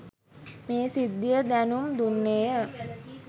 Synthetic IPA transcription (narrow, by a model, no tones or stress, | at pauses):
meːsid̪ːijəd̪ænumd̪unːeːjə